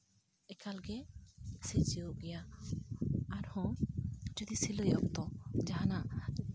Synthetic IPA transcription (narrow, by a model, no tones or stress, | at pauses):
ɛkalɡɛsed͡ʒioʔɡɛja | aɾhɔ̃d͡ʒɔd̪isiləjɔk̚t̪ɔd͡ʒaɦanaʔ